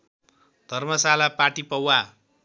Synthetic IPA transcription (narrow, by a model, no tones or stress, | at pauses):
d̪ʱʌrmʌsalapaʈipʌwa